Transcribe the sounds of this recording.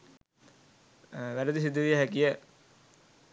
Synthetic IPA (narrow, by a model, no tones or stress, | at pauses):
ʋæɾəd̪isid̪uʋijəɦækijə